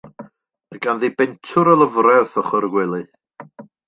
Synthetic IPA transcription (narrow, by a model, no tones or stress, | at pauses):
əɡanðibɛntʰʊɾəlˠəvrɛθɔχɔrɡwɪlˠi